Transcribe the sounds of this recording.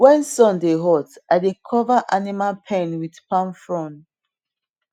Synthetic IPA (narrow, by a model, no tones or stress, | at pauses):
wɛ̃nsɔ̃ndeɦɔtadekʰɔvaʔanimalpʰɛ̃nwidpʰãnfɹɔ̃n